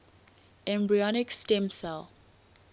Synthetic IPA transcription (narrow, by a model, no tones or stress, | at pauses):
ɛ̃mbɹiɔnɪkstɛ̃msɛl